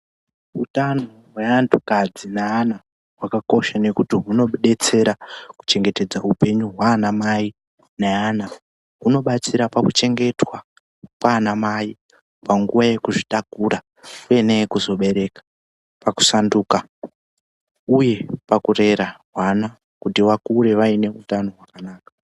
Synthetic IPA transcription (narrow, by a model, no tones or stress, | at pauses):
utanoɦwe̞antʰukad͡zinaːna | ɦwakako̞ʃane̞kutiɦuno̞ɓeɗe̞t͡se̞ɾaku̥t͡ʃe̞ŋɡe̞te̞d͡zaupe̞ɲuɦwaːnamai | neana | ɦuno̞ɓat͡siɾapakut͡ʃe̞ŋɡe̞twa | kwaːnamai | paŋɡuʋaje̞kuʐitakuɾa | kue̞nekuzo̞ɓe̞ɾe̞ːkḁ | paku̥sanduːka | uje̞pakure̞ɾaɦwana | kutiʋakuɾe̞ʋaine̞utano̞ɦwakanaːkḁ